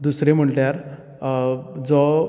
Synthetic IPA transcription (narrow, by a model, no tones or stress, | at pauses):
d̪usɾem̤əɳʈjaɾ | d͡zɔ